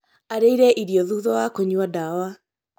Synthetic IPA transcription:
aɾeiɾɛʔiɾiɔðuðɔwakoɲwadawa

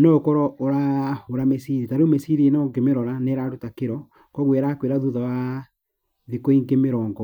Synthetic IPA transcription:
nɔokɔɾɔoɾaoɾamesiɾitaɾemesiɾienɔŋɡemeɾɔɾaneɾaɾutakeɾɔ | kɔɣweɾakweɾaðuðawa | ðikɔiŋɡemeɾɔːŋɡɔ

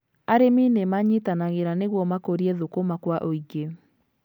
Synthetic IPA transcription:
aɾeminemaɲitanaɣeɾaneɣwɔmakoɾiɛðokomakwaʔoiɡe

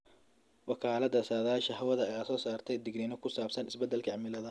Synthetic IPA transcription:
wɑkʰaːlɐd̪ɐsaːðaːʃɐɦɐwɐðɐɛjaːsɔːsaːrt̪ʰɛjd̪ɪɡnɪnɔkʰʊsaːb̥sɐnɪsbɛd̪ːɛlkʰɐʕmɪlɐðɐ

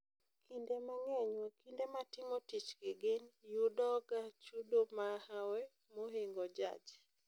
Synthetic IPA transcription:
kʰindemaŋɛɲwɛkindematɪmotit͡ʃɡ̥eɡenjudɔɡat͡ʃudomahawɛ | moɦeŋɡɔd͡ʒa̰d͡ʒ

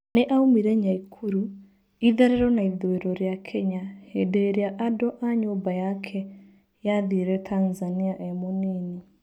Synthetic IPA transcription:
neʔaumiɾɛɲaikʰuɾu | iðɛɾɛɾɔnaiðɔeɾɔɾjakʰɛɲahedeɾjaʔadɔʔaɲombajakʰɛ | jaðiɾɛtʰanzaniaʔɛmonini

